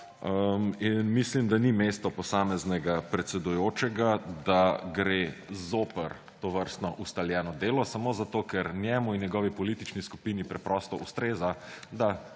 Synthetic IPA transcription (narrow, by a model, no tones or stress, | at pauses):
əminmislimd̪animest̪ɔpɔsaːmɛznɛɡapɾɛt̪sɛd̪ujoːt͡ʃɛɡad̪aɡɾezoːpəɾ | t̪oʋəɾst̪nɔʔust̪aljɛnɔd̪eːlɔsamoːzat̪okɛɾnjɛmuinjɛɡɔʋipɔlit̪it͡ʃnisku̥pinipɾɛpɾɔst̪ɔʔust̪ɾeːzad̪a